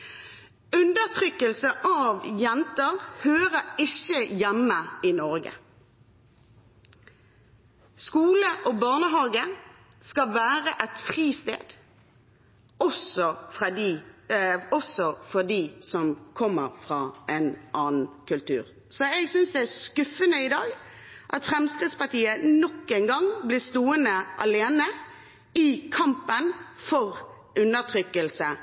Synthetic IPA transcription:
ʉnd̪əʁt̪ʰʁʏkːəlsəʔɑʋjɛnt̪əʁhøːʁəɪçəjɛmːəɪnɔʁɡə̰ | skuːləʔoːbɑːʁnəɦɑːɡə | skɑʋæːʁəʔɛt̪fʁiːst̪ḛːd̪̥ | ɔsɔfʁɑd̪i | ɔsɔfɔd̪isɔmkʰɔmːəɾfɾɑːɛnʔɑːnn̩kʰʉlt̪ʰʉ̰ːʁ | sɔɛɡsʏnsd̪ɛæskʉfːənəɪd̪ɑːɡ | ʔɑt̪fʁɛmskʁɪt̪spɑt̪iːənɔkːɛnɡɑŋblɪst̪uːənəʔɑ̰leːnə | ɪkʰɑmpənfɔʁ | ʔʉnːət̪ʰʁʏkːəlsə

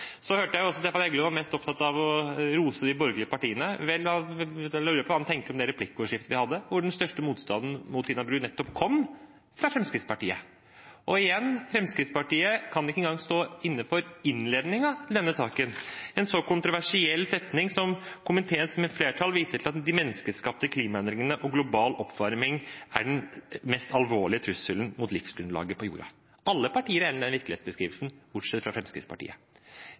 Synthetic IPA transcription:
sɔhøːʈəjæɪʊɔsɔst̪eːfɑnɛɡləʋɑɾmɛst̪ɔpt̪ʰɑt̪ːɑʋɔɾuːsəd̪ɪbɔɾɡəlɪəpɑʈiːənəʋɛlːʋɑlɑːʉːɾəpʰɔʋɑːhɑnʰɛŋkt̪əɾɔmd̪ɛɾɛpʰlɪkːəɔːʂɪft̪əʋɪhɑd̪ːəʋʊɖɛnst̪œʂʈəmuːt̪st̪ɑ̰nd̪n̩mʊt̪ʰiːnɑbɾʉːnɛt̪ːɔpkʰɔmː | fɾɑfɾɛmskɾɪt̪spɑʈḭːə̰ | ʔɔɪjɛnːfɾɛmskɾɪt̪spɑʈiːəkʰɑnɪkːəɛnɡɑŋst̪oːɪnːəfɔɾɪnleːd̪nɪŋɑt̪ʰɪl̩d̪ɛnːəsɑːkənɛnsɔkʊnt̪ɾʊʋæʂɪɛlːsɛt̪nɪŋsɔmkʊmɪnt̪ʰeːsmɛfleːʈʰɑlʋiːsət̪ʰɪlɑt̪d̪ɪmɛnːəskəskɑp̚t̪əkʰliːmɑɛnd̪ɾɪŋənəʔɔɡlʊbɑːlɔpːʋɑɾmɪŋæ̰ɖnmɛst̪ɑlʋoːɭɪət̪ʰɾʉsːəln̩mʊːt̪lɪfsɡɾʉnd̪lɑ̰ːɡəpʰɔjṵːɾɑ̰ | ʔɑlːəpʰɑʈiːəɾænd̪ɛnʋɪɾkəlɪeːt̪sbəskɾḭːʋəlsn̩b̥ʊʈʂɛt̪fɾɑfɾɛmskɾɪ̰t̪spʰɑ̰ʈḭːə̰

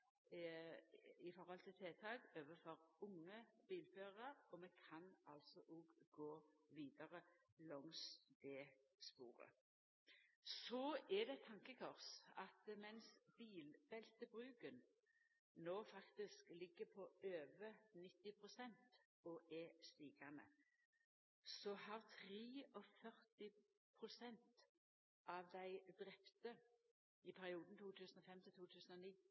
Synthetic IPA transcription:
ɪfɔɾhɔlt̪ʰɪlt̪ʰeːt̪ʰɑːɡøːʋəfɔɾʊŋːəb̥iːlføːʁəɾɔmɛkʰɑnɑlsɔʔuɡɡoːʋiːd̪ɑɾəlɔŋsd̪eːspṵːɾə̰ | sɔɛd̪ɛt̪ʰɑŋkəkʰɔʁsɑt̪mɛnsb̥iːlbɛlt̪əbʁʉːkən | noːfɑkt̪ɪsklɪɡːəpʰɔʔøːʋənɪt̪ːɪpʰʁʊsɛnt̪ | ɔʔɛst̪iːkɑnə̰ | sɔɦɑʁt̪ʰʁeːɔfœʁt̪ɪ | pʰʁʊsɛnt̪ | ɑʋd̪æɪd̪ʁɛpt̪ə | ɪpʰæʁɪuːd̪n̩t̪ʰuːt̪ʰʉːsənɔfɛmt̪ʰɪlt̪uːt̪ʰʉːsən̩ɔniː

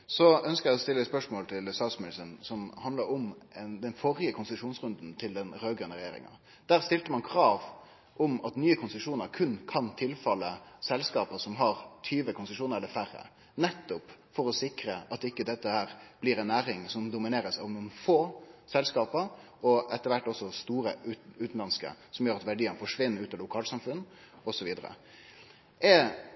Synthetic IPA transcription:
sɔœnskəɾjæɪɔst̪ɪlːət̪spœʂmoːlt̪ʰɪlsɑsmɪlsənsɔmhɑnd̪ləɾʊmɛnd̪ɛnfɔɾɪəkʰʊnsɪt̪ʉʂuːnsʁʉnd̪nt̪ʰɪld̪ɛnɾøːɡɾœnəɾɛjḛːɾɪ̰ŋɑ̰ | d̪̥æːʁst̪ɪlt̪əmɑnkʰɾɑːʋ | ʔɔmɑt̪nyːəkʰʊnsʂuːnəɾkʰʉnkʰɑnt̪ʰɪlfɑlːəsɛlskɑːpəsɔmɦɑɾt̪ʰyːʋəkʰʊnsəʂuːnəɾɛlːəɾfæɾə̰ | nɛt̪ːʊpfɔɾɔsɪkɾəʔɑt̪ɪkːəd̪ɛt̪ːəhæːɾb̥lɪɾɛnːæːɾɪŋsɔmd̪ʊmɪneːɾəsɑ̰ʋnuːənfoːsɛlskɑːpəɾ | ɔɛt̪ːəɾʋæʈːɔsɔst̪uːɾəʔʉʉːt̪n̩lɑnskə̰sɔmjøːɾɑt̪ʋæɖiːənfɔʂʋɪnːəɾʉːt̪ɑlʊkʰɑːlsɑmfʉnː | ɔsɔʋiːd̪əɾə̰ | ʔɛ

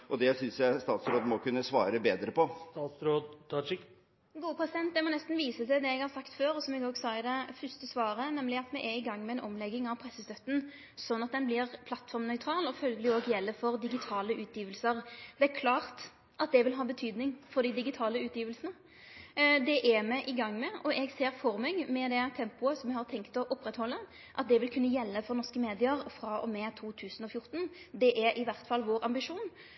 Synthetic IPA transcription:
ʔɔd̪ɛsʏnsjæɪst̪ɑːt̪sɾoːd̪mɔkʉnːəsʋɑ̰ːɾəbeːd̪ɾəpʰɔt̪ɑt̪sɾoːd̪ʰɑ | ɡuːəpʰɾɛsɪd̪ɛnt̪̚d̪ɛmɔnɛst̪n̩ʋiːsət̪ɛd̪ɛɛɡhɑɾsɑkt̪føːɾɔsɔmɛɡoːɡsɑːɪd̪ɛfʏst̪əsʋɑːɾənɛmlɪɑt̪mɛʔɛɪɡɑŋːmɛɛnʔɔmlɛɡːɪŋɑʋpʰɾɛsːəst̪œt̪ːn̩ | sɔnːɑt̪̚d̪ɛnblɪʁpʰlɑt̪fɔɾmnœʏt̪ʰɾɑːlɔfœlɡəlɪoːɡjɛlːəfɔʁd̪ɪɡɪt̪ʰɑːləʔʉːt̪ʰjiːʋəlsəʁd̪ɛæɾkʰlɑːʁt̪ | ʔɑt̪̚d̪ɛʋɪlɦɑːbət̪ʰyːd̪nɪŋfɔd̪ɪd̪ɪɡɪt̪ʰɑːləʉːt̪jiːʋəlsənə | d̪ɛʔæmɛʔɪɡɑŋːmɛʔɔʔɛɡseːɾfɔɾmɛɡmɛd̪ɛt̪ʰɛmpʊəsɔmɛɡhɑɾt̪ʰɛŋkt̪ɔʔʊpːʁɛt̪hɔlːə | ʔɑt̪̚d̪ɛʋɪlkʰʉnːəjɛlːəfɔʁnɔʁskəmeːd̪ɪəɾfɾɑɔ̰mɛt̪ʰuːt̪ʰʉːsən̩ɔfjʊɾt̪n | d̪ɛʔæɾʔɪʋæʁt̪fɑlːʋoːɾɑmbɪʂuːn

